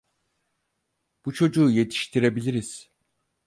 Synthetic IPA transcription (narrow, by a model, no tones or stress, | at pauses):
b̥ut͡ʃʰo̞d͡ʒuːje̞t̪ʰi̥ʃt̪ʰiɾe̞bilʲiɾiz̥